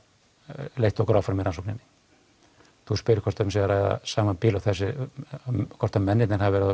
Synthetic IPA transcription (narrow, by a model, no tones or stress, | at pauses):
lejht̪ɔkɾawfaɾmɛɾansɔwknɛnːɪ̥ | θuspɪɾɪ̥kʰvɔɾ̥t̪ʏmsiðaɾaːjða̰saːmapiːlawθɛs̬ɪ | kʰɔɾ̥t̪amɛnːɪt̪nɪnhavvɛɾɪ